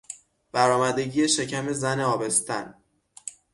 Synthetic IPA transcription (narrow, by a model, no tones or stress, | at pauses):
b̥æɾɒːmæd̪e̞ɟiːjeʃe̞cʰæme̞zæneɒːbe̞st̪ʰæ̰n